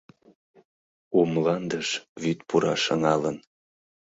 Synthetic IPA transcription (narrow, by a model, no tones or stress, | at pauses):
umlɑnd̪əʃvyt̪pʰuɾɑ̰ʃəŋɑlən